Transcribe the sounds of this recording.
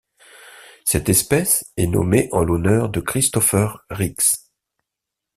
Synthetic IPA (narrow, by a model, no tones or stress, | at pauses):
sɛt̪ɛspɛsɛnɔ̰meʔɑ̃lɔnœʁd̪əkχist̪ɔfœʁːiks